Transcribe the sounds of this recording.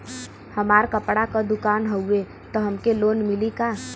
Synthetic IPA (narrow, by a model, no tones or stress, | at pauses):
həmaːɾkəpɽakad̪ʊkaːnɦəue | t̪ɔɦɐmkeloːnmɪlikaː